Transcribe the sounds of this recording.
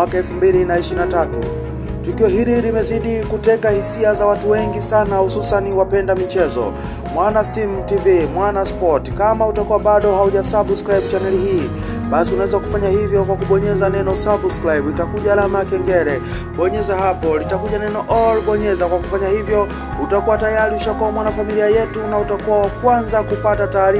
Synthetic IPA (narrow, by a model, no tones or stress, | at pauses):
akaɛlfumbilinaiʃiɾinatatṵ | tukiɔɦililimɛziɗikutɛkahisiazawatuwɛŋɡisanahususaniwapɛndamit͡ʃɛzɔ̰ | mwanastimtivimwanaspɔtkamautakuwaɓaɗɔɦauʄasaɓskɾajɓ̚t͡ʃanɛlihiː | ɓasiunawɛzaku̥faɲahivjɔkwakuɓɔɲɛzanɛnɔsabskɾajblitakuʄalamakɛŋɡɛɾɛ | ɓɔɲɛzahapɔlitakuʄanɛnɔʔɔlɓɔɲɛzakwaku̥faɲahivjɔ | utakuwatajaɾiuʃakɔɔmwanafamiliajɛtunautakuwawakwanzakupatataːɾi